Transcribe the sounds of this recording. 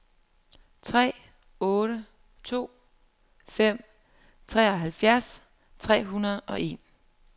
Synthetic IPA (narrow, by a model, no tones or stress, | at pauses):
t͡sʰʁɛ̰ː | ɔ̽ːɾ̥ə | t͡sʰo̝̰ː | fem̰ | t͡sʰʁɛ̰ːɒ̽ɦælfjæɐs | t͡sʰʁɛ̰ːɦunɐð̩ˠʔɒ̽ʔe̝̰ːn